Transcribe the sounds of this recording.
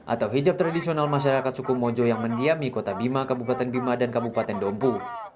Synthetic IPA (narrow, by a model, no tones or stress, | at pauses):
ʔa̰t̪awɦid͡ʒap̚t̪ɾadisionalmaʃ̬aɾakat̪sukumod͡ʒojaŋməndiamikot̪abimakabupat̪ɛnbimadankabupat̪ɛndɔmpu